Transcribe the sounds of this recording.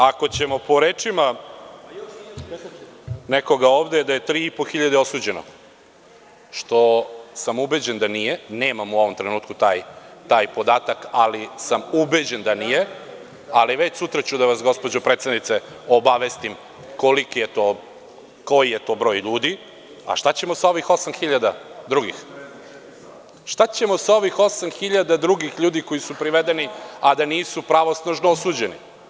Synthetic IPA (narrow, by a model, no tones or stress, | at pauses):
ako̞t͡ɕe̞mo̞po̞ɾeːt͡ʂima | neko̞ɡaoːʋd̪ed̪aje̞t̪ɾiːipo̞xiʎad̪eo̞suːd͡ʑe̞no̰ | ʃt̪o̞samubed͡ʑend̪anijeneːmamuo̞ʋo̞mt̪ɾe̞nuːt̪kut̪aːjt̪aːjpo̞d̪aːt̪akalisamubed͡ʑe̞nd̪anije | aliʋe̞t͡ɕsut̪ɾat͡ɕud̪aʋasɡo̞spo̞d͡ʑopɾet̪st̪adnit̪se | obaʋest̪im | ko̞likije̞t̪o | ko̞jije̞t̪o̞ːbɾo̞ːjʎuːd̪i | a̰ʃt̪at͡ɕe̞mo̞sao̞ʋixo̞samxiʎad̪ad̪ɾuɡḭx | ʃt̪at͡ɕe̞mo̞sao̞ʋixo̞samxiʎad̪ad̪ɾuɡixʎuːd̪iko̞jisupɾiʋed̪eniad̪aniːsupɾaʋo̞snaʒnoosuːd͡ʑe̞nḭ